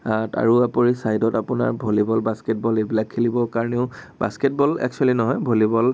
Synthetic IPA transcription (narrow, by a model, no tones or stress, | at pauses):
ta̰ɹuapoɹisajdɔtapʊna̰ɹbʱolibɔlbaskɛt̚bɔlebilakʰːelibɔkaɹɔneʊba̰sket̚bɔlɛ̰k̚t͡ʃualinɔɦɔjbʱolibɔl